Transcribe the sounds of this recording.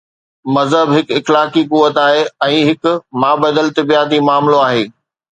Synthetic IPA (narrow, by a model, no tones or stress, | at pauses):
mɐzɦəbɦɪkɪxlaːkikuʋət̪aːɦeɛ̃ːɦɪkʊmaːbəd̪əlt̪ɐbijaːt̪̬imaːmloaːɦeː